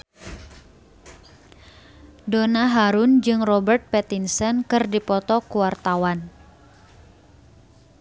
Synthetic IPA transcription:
donaɦaɾund͡ʒɨŋrɔbərt̪̚pɛt̪insənkɨrdipɔt̪ɔkuwart̪awan

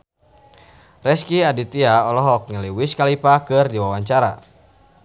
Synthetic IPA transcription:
rɛskiadit̪iaɔlɔɦɔk̚ɲəliwiskalipakɨrdiwawaɲt͡ʃaɾa̰

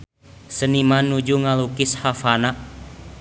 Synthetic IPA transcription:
sənimanːud͡ʒuŋalukɪshafanaʔ

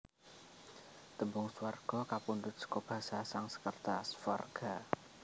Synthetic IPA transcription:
t̪əmbʊŋsuwarɡ̥ɔkapund̪ʊt̪̚sə̥kɔb̥a̤sasaŋsə̥kərt̪asfwarɡ̥a

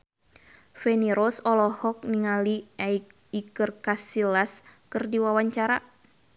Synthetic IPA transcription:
fɛniɾɔsɔlɔhɔk̚niŋaliaik | ikɨrkasilaskɨrdiwawaɲt͡ʃaɾa

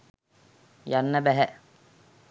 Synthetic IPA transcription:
janːəbæɦɛ

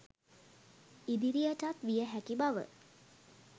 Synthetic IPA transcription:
id̪iɾijəʈat̪ʋijəɦækibaʋə̰

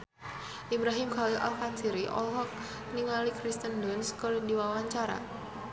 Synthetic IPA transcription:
ʔibɾaɦimɡalilʔa̰lkansiɾiʔɔ̰lɦɔk̚ | niŋalikɾist̪əndɔnskərdiwawaɲt͡ʃaɾa̰

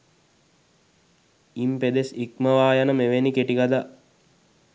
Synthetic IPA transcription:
imped̪esikməʋaːjanəmeʋenikeʈiɡad̪a

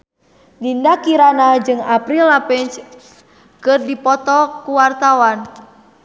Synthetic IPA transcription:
dindakiɾanad͡ʒɨŋapɾilapɛnt͡ʃ | kɨrdipɔt̪ɔkuwart̪awan

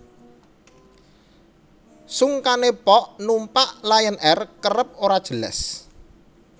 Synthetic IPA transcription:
suŋkanepɔʔnumpaʔlajənɛrkərəp̚oɾad̥ʒ̥ələ̰s

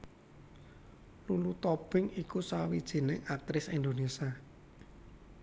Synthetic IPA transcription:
lulut̪ɔb̥ɪŋikusawid̥ʒ̥i̤nɪŋak̚t̪ɾɪsind̪onesia

